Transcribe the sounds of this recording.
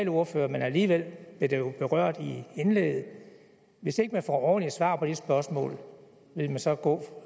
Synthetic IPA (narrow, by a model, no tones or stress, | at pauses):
loɐføːɐmenæliːʋel̰b̥ed̥ejo̝b̥e̝ʁɶɐ̰d̥ienlḛːɡð̩ˠ | ʋe̝se̝ɡ̥əmænfɒ̰ːɒːn̩lisʋɑ̰̈ːpʰɒ̽d̥esb̥ɶɐsmɔ̰̽ːl | ʋe̝lmænsɒ̽ɡ̥ɔ̰̽ː